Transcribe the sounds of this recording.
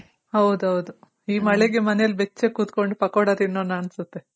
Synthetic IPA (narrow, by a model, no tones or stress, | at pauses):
hɐwd̪uɦɐwd̪u | iːmɐɭeɡe̞mɐneɐlbet͡ʃːekuːt̪ko̞ɳɖupɐkoːɽɐd̪inːoːnːaːnsut̪ːe